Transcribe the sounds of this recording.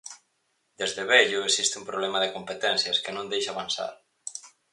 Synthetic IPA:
d̪ezðeβeʎʊesist̪ɪũmpɾoβlɛmaðɪkompet̪ɛnθjɐskɪnõnd̪ejʃaβansa̰ɾ

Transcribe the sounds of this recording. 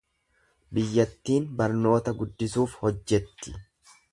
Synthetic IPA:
bɪjːɐt̪ːiːnbɐɾno̞ːt̪ɐɡʊd̪ːɪsuːfhɔd͡ʒːɛt̪ːɪ̥

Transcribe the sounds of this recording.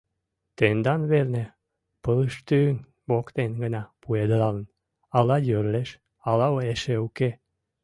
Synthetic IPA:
t̪end̪ɑnβerne | pələʃt̪yn | βokt̪enɡənɑpued̪lɑlən | ɑlɑjøɾleʃ | ɑlɑoeʃeuke

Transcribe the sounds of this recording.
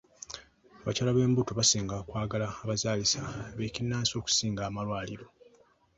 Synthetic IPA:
aβacalaβe̞ːmbuto̞βasiːŋɡakwaːɡalaːβazaːlisaβecinːaːnso̞ːku̥siːŋɡaːmalwaːliɾo̞

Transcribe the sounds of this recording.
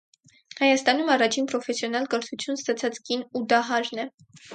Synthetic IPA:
hɑjɑst̪ɑn̪umɑrɑt͡ʃʰinpɾɔfɛsjɔnɑlkəɾt̪ʰut͡sʰjunst̪ɑt͡sʰɑt͡skinud̪ɑɦɑɾnɛ

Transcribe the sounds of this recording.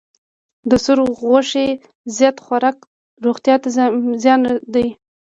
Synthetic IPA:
d̪əsʊɾɣaʂe | zjɑt̪xaɾɑk | ɾoɣt̪jɑt̪azjɑnd̪aj

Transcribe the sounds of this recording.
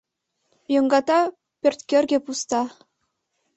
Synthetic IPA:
jɤ̆ŋɡɑt̪ɑ | pʲørʲt̪ʲkʲerʲɡʲĕpust̪ɑ

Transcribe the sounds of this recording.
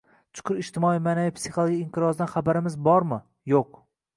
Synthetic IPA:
t͡ʃ̪ʰʊ̥qʰʊɾɪʃt̪ɪmɒijmanavijpsiχolˠoɡʲiɪmqʰɨɾɒzd̪anχabaɾɪmɪzbɒɾmɪ | joq

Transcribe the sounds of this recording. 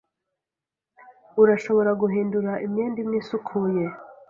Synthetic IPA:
uɾaʃo̞βoɾaɡuɦiːnduɾaʔimɲeːndimɲiːsukʰuːje̞

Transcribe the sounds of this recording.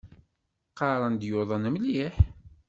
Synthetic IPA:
qɑɾˤɑnd̪joðˤɑnəmliħ

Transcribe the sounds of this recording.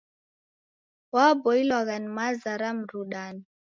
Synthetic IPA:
wabɔilwaɣanimazaɾam̩ɾuɗani

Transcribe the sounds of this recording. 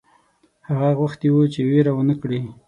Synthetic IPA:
haɣaɣwaxt̪ewut͡ʃeweɾawənəkɽi

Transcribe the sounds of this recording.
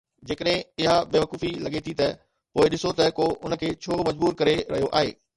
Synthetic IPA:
d͡ʑeːkəɗɦɪ̃ɪɦabeːʋɐkuːfilɐɠet̪ʰit̪ɐ | poːɪɗɪsot̪ɐkoʔʊnəkʰeːt͡ɕʰoːmɐd͡ʑbuːɾkɐɾeɾɐ̰ɦijoʔa̰ːɦḛː

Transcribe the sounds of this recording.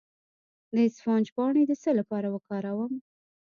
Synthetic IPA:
d̪əɪsfɑnd͡ʒpɑɳed̪əsəlapɑɾawəkɑɾawəm

